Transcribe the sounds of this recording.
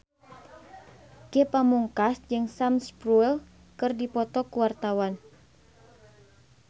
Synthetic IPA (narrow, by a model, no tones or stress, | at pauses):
kepamuŋkasd͡ʒɨŋsamspɾuɛl | kɨrdipɔt̪ɔkuwart̪awan